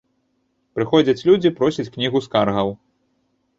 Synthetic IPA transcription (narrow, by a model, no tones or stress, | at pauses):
pɾɨxɔd͡zʲɐt͡sʲlʲud͡zʲipɾɔsʲit͡sʲknʲiɣuskarɣɐw